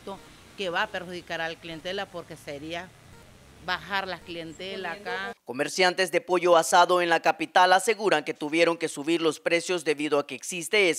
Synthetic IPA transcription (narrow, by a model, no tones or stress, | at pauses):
t̪o | keβapeɾxuðikaɾalaklient̪elapo̞ɾke̞seɾia | baxaɾlaklient̪elakako̞me̞ɾsjant̪e̞zd̪e̞po̞ʝo̞asaðo̞e̞nlakapit̪alase̞ɣuɾaŋke̞t̪uβje̞ɾo̞ŋke̞suβiɾlo̞spɾe̞sjo̞zd̪e̞βiðo̞ake̞ːksist̪e